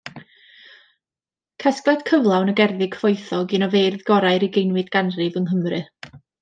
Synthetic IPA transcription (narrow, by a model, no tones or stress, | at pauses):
kʰɛsklˠɛd̥kʰəvlˠawnəɡɛrðɪɡ̥foɨθɔɡinɔverðɡɔɾajɾɪɡejnwɨdɡ̥anrɨvənɦəmrɨ